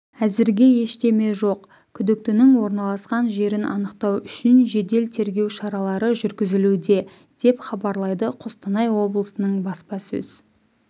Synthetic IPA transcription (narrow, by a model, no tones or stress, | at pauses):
æzɪɾɡʲe̞je̞ʃt̪e̞me̞ʒo̞q | kʲʰʏd̪ɪk̚t̪ɪnɪŋwo̞ɾnɑlˠɑsqɑnʒe̞ɾɪnʔɑ̰nəqt̪ɑwʏʃɪnʒe̞d̪e̞lt̪ʰe̞ɾɡʲe̞wʃɑɾɑlˠɑɾəʒʏɾɡʲɪzɪlud̪e̞ | d̪̥e̞pχɑbɑɾlˠɑjd̪əqʰost̪ənɑjwo̞blˠəsənəɴbɑspɑsɵ̰z̥